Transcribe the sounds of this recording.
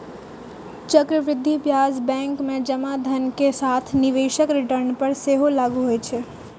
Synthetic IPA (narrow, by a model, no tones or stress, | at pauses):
t͡ʃɐkɾəʋɾɪd̪ʱːibjaːzbɛ̃ːŋkmẽd͡ʒɐmad̪ʱɐnkesaːt̪ʰnɪʋeːʃəkɾɪʈəɾnpɐɾseːɦolaːɡuɦoet͡ʃʰɛ